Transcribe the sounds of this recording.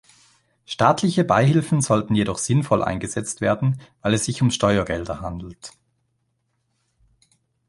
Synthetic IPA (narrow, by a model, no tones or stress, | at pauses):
ʃtaːtʰlɪçəbaɪhɪlfn̩zɔltn̩jedɔχz̥ɪnfɔlʔa̰ɪnɡəz̥ɛt͡stv̥eːɐdn̩vaɪlɛsz̥ɪçʊmʃtɔʏɐɡɛldɐhandl̩t